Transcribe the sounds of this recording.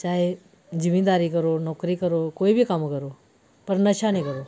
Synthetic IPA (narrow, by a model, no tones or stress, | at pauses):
t͡ɕaɦe | d͡ʑiʋid̪aɾiːkəɾonɔkɾiːkəɾokoibʱiːkamkəɾo | pəɾnəɕanikəɾo